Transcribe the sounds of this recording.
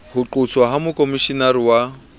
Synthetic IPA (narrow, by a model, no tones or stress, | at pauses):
hʊǃʊsʰwaɦamʊkʼomiʃinaɾiwa